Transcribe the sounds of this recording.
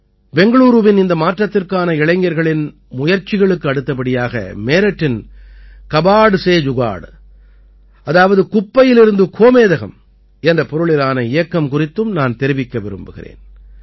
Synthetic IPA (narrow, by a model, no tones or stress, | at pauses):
bɛŋɡɐɭuːɾɯʋɪnɪnd̪ɐmaːʈrɐt̪ːɪrkaːnɐɪɭɐɪŋɡɐɾɣɐɭɪn | mʊjɐɾt͡ʃɪɣɐɭɯkːɯɐɽɯt̪ːɐpɐɽɪjaːɣɐ̰meːɾɛʈːɪn | kɐbaːɽɯseːd͡ʒʊɣa̰ːɽ | ɐðaːʋɐðɯkʊpːɐjɪlɪɾɯnd̪ɯkʰoːmeːðɐɣɐ̰m | ɛndrɐpɔɾɯɭɪɾaːnɐɪjɐkːɐmkʊrɪt̪ːɯmnaːnt̪ɛɾɪʋɪkːɐʋɪɾɯmbɯɣɪ̰rḛːn